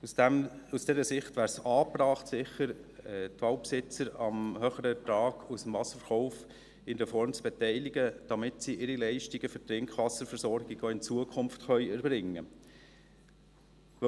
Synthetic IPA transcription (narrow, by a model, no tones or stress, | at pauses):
usd̥ɛːɾəsɪχtvæːɾsɑːprɑːχtsɪχəɾɛt̪ʋɑʊpsɪt͡səɾɑmhœχəɾətɑːɡusəmvɑsə̥ɾfəχɔʊf | ɪndəfɔɾmt͡sb̥ɛtɛɪliɡəd̥ɑmɪtsiʔɪɾilɛɪʃtiɡəfʏtɾɪŋkχʋɑsəɾfəɾsɔɾɡ̥iɡ̥oɪnt͡suəkʰʊmftχœʏɛɾbɾɪŋːə̰